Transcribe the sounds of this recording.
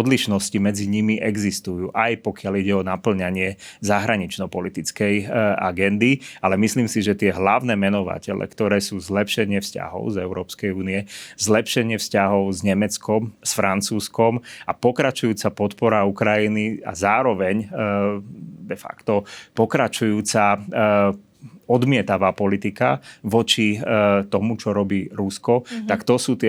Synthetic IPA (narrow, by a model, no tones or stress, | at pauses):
ɔd̪liʃnɔscimɛd͡ziɲimiʔɛɡzist̪ujuːʔajpɔkɪaliɟɛɔnapl̩ɲaɲɪɛzaɦɾaɲit͡ʃnɔpɔlit̪it͡skɛja̰ɡɛnd̪ialɛmisliːmsiʒɛt̪ɪɛɦlaʊnɛːmɛnɔʋa̰cɛ̰lɛ̰kt̪ɔɾɛːsuːzlɛpʃɛɲɪɛfsca̰ɦɔ̰ʊzɛʊɾɔːpskɛjuːniɛzlɛpʃɛɲɪɛfscaɦɔʊzɲɛmɛt͡skɔmsfɾant͡suːskɔmapɔkɾat͡ʃujuːt͡sapɔt̪pɔɾaukɾajinia̰zaːɾɔʋɛɲ | d̪ɛfa̰kt̪ɔpɔkɾat͡ʃujuːt͡sa | ɔd̪mɪɛt̪aʋaːpɔlit̪ikaʋɔt͡ʃit̪ɔmut͡ʃɔɾɔbiːɾuskɔt̪akt̪ɔsuːt̪ɪɛ